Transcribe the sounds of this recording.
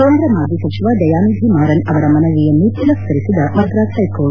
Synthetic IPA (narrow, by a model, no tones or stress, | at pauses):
koːnd̪ɾɐmaːd̪ʱisɐt͡ʃiʋaːd̪ɐjaːnud̪ʱimaːɾɐnɐʋɐɾɐmɐnɐʋijɐnut̪ːilɐsɐɾit̪id̪ɐmɐt̪ɾaːt̪ʰɐjkoːɭ